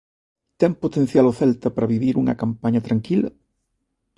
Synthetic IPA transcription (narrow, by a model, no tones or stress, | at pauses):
t̪ɛŋpot̪ẽn̟θjaloθɛlt̪ɐpaɾɐβiβiɾuŋɐ̰kampaɲɐt̪ɾaŋkilɐ̰